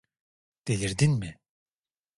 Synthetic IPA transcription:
d̪̥elʲiɾd̪inmɪ

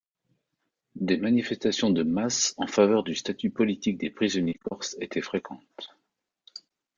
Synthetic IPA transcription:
d̪emanifɛst̪asjɔ̃d̪əmasɑ̃favœʁd̪yst̪at̪ypɔlit̪ik̚d̪epχizɔnjekɔʁset̪ɛfχekʰɑ̃t̪

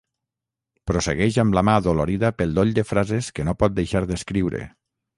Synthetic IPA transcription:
pɾosḛɣɛʒamlamaðoloɾiðəpelˠd̪oʎd̪efɾazeskenopɔt̪̚d̪ejʃaɾðeskɾiwɾḛ

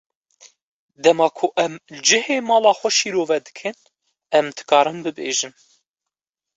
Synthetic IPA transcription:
d̪ɛmɑːkʰʊʔɛmld͡ʒɨheːmɑːlɑːxʷɛʃiːɾoːvɛd̪ɨ̥kʰɨn | ɛmd̪ɨ̥kɑːɾɨmbɨbḛːʒɨm

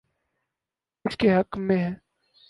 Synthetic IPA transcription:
ʊd͡ʒkeɦɐkmːẽɦɛ̃ː

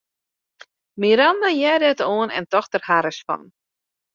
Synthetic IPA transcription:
miɾandajɛdɛtoənɛ̰ntɔxtərhaɾəsfɔ̰n

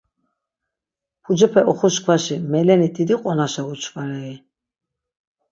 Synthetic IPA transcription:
pʰud͡ʒɛpʰɛʔɔχɔʃkʰvaʃimɛlɛnid̪ʰid̪iqʼɔnaʃaut͡ʃʰvaɾɛi

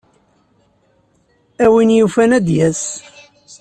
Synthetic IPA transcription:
æwinjufænæd̪jæs

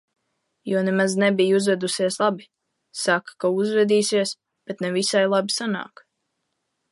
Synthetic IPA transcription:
juɔnɛmaznɛbijuzvɛd̪usiɛslˠabi | sakḁkauzvɛd̪iːsiəs | b̥et̪nɛvisajlˠabisana̰ːk

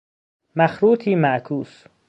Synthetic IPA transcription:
mæxɾuːt̪ʰiːmæʔkʰuːs

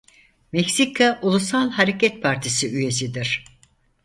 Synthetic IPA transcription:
mɛcsikʰaʔulˠus̬alˠhaɾecʰɛt̪̚pʰaɾt̪ʰisiyje̞s̬id̪iɾ̥

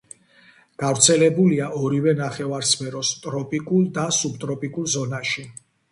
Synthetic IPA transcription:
ɡ̥avɾt̪sʰɛlɛbuliaʔɔɾivɛnaχɛvaɾsmɛɾɔst̪ʼɾɔpʼikʼulˠd̪asubt̪ʼɾɔpʼikʼulˠzɔnaʃi

